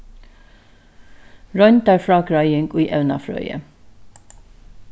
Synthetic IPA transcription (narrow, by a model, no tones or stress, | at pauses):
ɹœʏnt̪æɹfɹɑːkɹɑɪɪŋɡiːʔɛʉnɑ̰fɹœ̰ʏə̰